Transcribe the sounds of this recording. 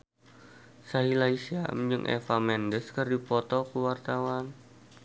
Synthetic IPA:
saɦilaisia̰md͡ʒɨŋʔɛ̰famɛndəskərdipɔt̪ɔkəwart̪awan

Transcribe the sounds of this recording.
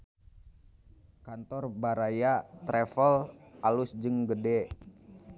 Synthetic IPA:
kant̪ɔrbaɾajat̪ɾɛfəlʔalʊsd͡ʒɨŋɡədɛ

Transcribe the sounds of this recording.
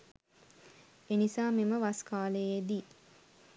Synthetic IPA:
enisaːmiməʋaskaːləjed̪i

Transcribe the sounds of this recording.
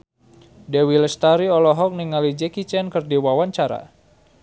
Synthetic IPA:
dɛwiləst̪aɾiɔlɔɦɔk̚niŋalid͡ʒɛkit͡ʃɛnkərdiwawaɲt͡ʃaɾa̰

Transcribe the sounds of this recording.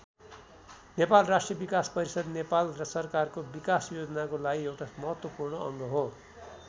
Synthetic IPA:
nepalrasʈrijʌbikaspʌɾisʌd̪nepalrʌsʌrkarkobikasjod͡zʌnakolaɡiewʈamʌɦʌt̪wʌpurnʌʌŋɡʌɦo

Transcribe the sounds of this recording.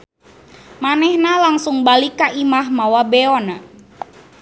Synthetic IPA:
manɛhnalaŋsʊŋbalikaʔimahmawabeɔna

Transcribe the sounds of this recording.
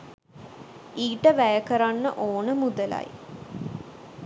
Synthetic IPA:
iːʈəʋæjəkəɾanːə̰ʔoːnəmud̪əla̰j

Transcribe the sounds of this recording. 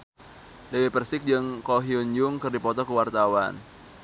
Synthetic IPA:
dəwipərsɪk̚d͡ʒɨŋkoɦiuɲd͡ʒʊŋkɨrdipɔt̪ɔkəwart̪awa̰n

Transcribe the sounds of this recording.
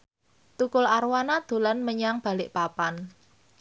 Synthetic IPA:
t̪ukʊlaɾwanad̪̥o̤lanməɲaŋb̥a̤lɪʔpapan

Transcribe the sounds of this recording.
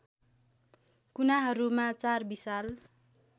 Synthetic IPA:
kunaɦʌɾumat͡sarbisal

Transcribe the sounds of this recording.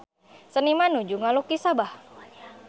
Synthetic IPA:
sənimanud͡ʒuŋalukisabah

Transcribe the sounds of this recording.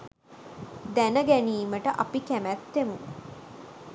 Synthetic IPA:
d̪ænəɡæniːməʈəʔapikæmæt̪ːemu

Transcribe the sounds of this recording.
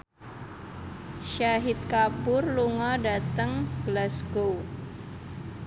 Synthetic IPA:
ʃaɦɪt̪̚kabʊrluŋɔdat̪əŋɡ̥əlasɡo

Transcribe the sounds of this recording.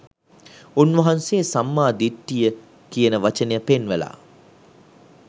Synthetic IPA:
unʋɐɦɐnseːsɐmːaːd̪iʈːijə | kijənəʋɐt͡ʃɐnejəpenʋela̰ː

